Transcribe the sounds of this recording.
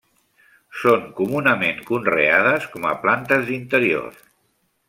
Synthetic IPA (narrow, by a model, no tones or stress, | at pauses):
soŋkumunəmeŋkunreað̞əskɔmə̰plant̪əzðint̪əɾio̰r